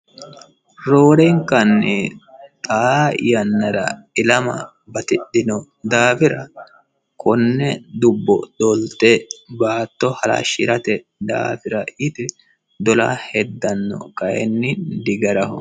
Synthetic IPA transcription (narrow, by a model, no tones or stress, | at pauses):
ɾoːɾɛŋkɐnːɪt̪ʼajɐnːɐɾɐ̰ɪlɐmɐ̰ | bɐt̪ɪɗːɪnɔ | d̪aːfɪɾɐ | kʰɔnːɛd̪ʊbːɔd̪ɔlt̪ɛbaːt̪ːɔhɐla̰ʃːɪɾɐt̪ɛ | d̪a̰ːfɪɾɐɪt̪ɪ | d̪ɔla̰ːhɛd̪ːɐnːɔ̰kɐjɛ̰nːɪd̪ɪɡɐɾɐhʊ̰